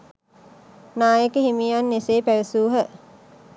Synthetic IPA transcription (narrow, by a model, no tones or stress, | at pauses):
naːjəkəhimianːeseːpæʋəsuːɦə